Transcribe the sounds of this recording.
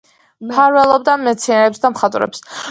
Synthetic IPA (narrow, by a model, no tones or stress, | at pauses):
mpʰaɾvɛlˠɔb̚d̪amɛt̪sʰiaɾɛpsd̪amχat̪ʼɾɛ̰ps